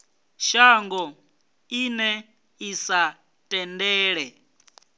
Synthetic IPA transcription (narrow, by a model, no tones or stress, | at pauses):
ʃaŋɡɔ | inɛ | isa | tʼɛndɛːɺɛ